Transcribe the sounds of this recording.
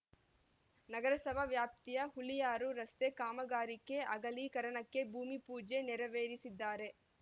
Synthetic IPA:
nɐɡɐɾɐsɐbʱɐʋjaːp̚t̪ijɐhulijaːɾuɾɐst̪e̞kaːmɐɡaːɾikːe̞ʔɐɡɐlikɐɾɐɳɐkːe̞bʱuːmipuːd͡ʒe̞nɛɾɐʋeːɾisid̪ːaːɾe̞

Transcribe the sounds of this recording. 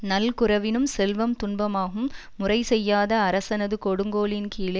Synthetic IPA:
nɐlkʊɾɐʋɪnɯmsɛlʋɐmt̪ʊɳbɐmaːɣɯmː | ʊrɐɪsɛjːaːðɐːɾɐsɐnɐðɯkɔɽɯŋɡoːlɪnkiːɭɐ

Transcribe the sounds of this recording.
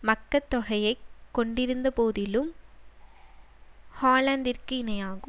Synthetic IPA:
mɐkːɐt̪ːɔɣɐjɐɪkːɔɳɖɪɾɯnd̪ɐpoːðɪlɯm | haːlɐnd̪ɪɾkɯɪnɐjaːɣɯm

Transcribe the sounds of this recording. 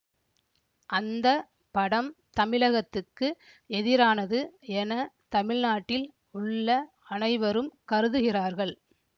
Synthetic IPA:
ʔɐnd̪ɐ | pɐɽɐmt̪ɐmɪɻɐɣɐt̪ːɯkːɯ | ɛðɪɾaːnɐðɯɛnɐt̪ɐmɪɻnaːʈːɪl | ʊɭːɐ | ɐnɐɪʋɐɾɯmkɐɾɯðɯɣɪraːɾɣɐɭ

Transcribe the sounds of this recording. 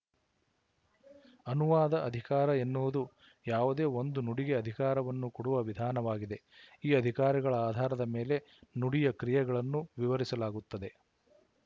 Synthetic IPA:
ɐnuʋaːd̪ɐʔɐd̪ʱikaːɾɐe̞nːuʋud̪u | jaːʋud̪e̞ːo̞nd̪unuɽiɡe̞ɐd̪ʱikaːɾɐʋɐnːukoɽuʋɐʋid̪ʱaːnɐʋaːɡid̪e̞iːɐd̪ʱikaːɾiɡɐɭɐaːd̪ʱaːɾɐd̪ɐme̞ːle̞ | nuɽijɐkɾijɛɡɐɭɐnːuʋiʋɐɾisɐlaːɡut̪ːɐd̪e̞

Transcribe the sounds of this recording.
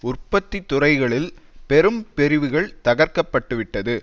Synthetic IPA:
ʊrpːɐt̪ːit̪ːʊrɐɪɣɐɭɪlpɛɾɯmpɛɾɪʋɯɣɐɭt̪ɐɣɐɾkɐpːɐʈːɯʋɪʈːɐðɯ

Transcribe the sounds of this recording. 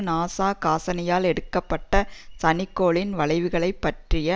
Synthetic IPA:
naːsaːkaːsɐnɐjaːlɛɽɯkːɐpːɐʈːɐsɐnɪkːoːɭɪnʋɐɭɐɪʋɯɣɐɭɐɪpːɐʈrɪjɐ

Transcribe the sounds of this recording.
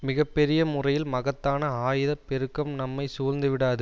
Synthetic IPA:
mɪɣɐpːɛɾɪjɐmʊrɐjɪlmɐɣɐt̪ːaːnɐaːjɪðɐpːɛɾɯkːɐmnɐmːɐɪsuːɾnd̪ɯʋɪɽaːðɯ

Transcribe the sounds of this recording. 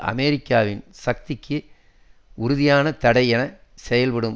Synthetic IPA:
ʔɐ̰meɾɪkːaːʋɪnsɐk̚t̪ɪkːɯ | ʊɾʊðɪjaːnɐt̪ɐɽɐɪɛnɐsɛjɐlʋɐɽɯm

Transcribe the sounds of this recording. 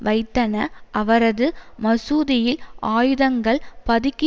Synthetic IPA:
ʋɐɪt̪ːɐnɐʔɐʋɐɾɐðɯmɐsuːðɪjɪlaːjɯðɐŋɡɐɭpɐðɪkːɪ

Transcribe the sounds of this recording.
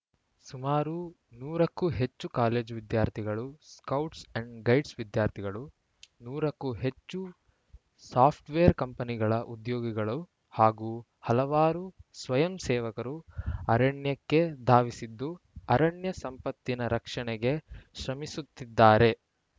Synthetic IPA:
sumaːɾu | nuːɾɐkːuɦe̞t͡ʃːukaːle̞ːd͡ʒʋid̪jaːɾt̪ʰiɡɐɭuskɐwʈsɐɳɖɡɐjɖsʋid̪jaːɾt̪ʰiɡɐɭu | nuːɾɐkːuɦe̞t͡ʃːu | saːpʰʈʋeːɐɾkɐmpɐniɡɐɭɐʔud̪joːɡiɡɐɭu | haːɡuː | hɐlɐʋaːɾusʋɐjɐmsɛːʋɐkɐɾuɐɾɐɳjɐkːe̞d̪ʱaːʋisid̪ːu | ɐɾɐɳjɐsɐmpɐt̪ːinɐɾɐkʂɐɳɛɡe̞ʃɾɐmisut̪ːid̪ːaːɾe̞

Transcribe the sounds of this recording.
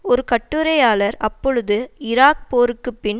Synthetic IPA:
ɔɾɯkɐʈːɯɾɐjaːlɐɾɐpːɔɻɯðɯɪɾaːk̚poːɾɯkːɯpːɪn

